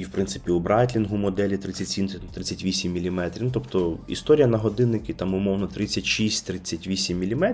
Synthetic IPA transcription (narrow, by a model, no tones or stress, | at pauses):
iwpɾɪnt̪ɪ̥pʲiʊbɾɑt̪ʲlʲinɦʊmɔd̪ɛlʲit̪ɾɪt͡sʲːɐtʲsʲint̪t̪ɾɪt͡sʲːɐtʲʋʲisʲimːʲilʲimɛt̪ɾʲint̪ɔpt̪ɔḭst̪ɔɾʲijɐnɐɦɔd̪ɪnːɪkʲɪt̪ɑmʊmɔwnɔt̪ɾɪt͡sʲːɐtʲʃisʲtʲt̪ɾɪt͡sʲːɐtʲʋʲisʲimːʲilʲimɛ